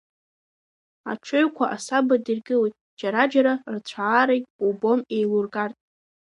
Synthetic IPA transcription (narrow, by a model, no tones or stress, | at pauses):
a̰ʈ͡ʂʰɨɥkʷʰaʔasabadirɡɨlejtʼ | d͡ʒaɾad͡ʒaɾart͡ɕʷʰaːɾejtʼubo̞mejlurɡartʼ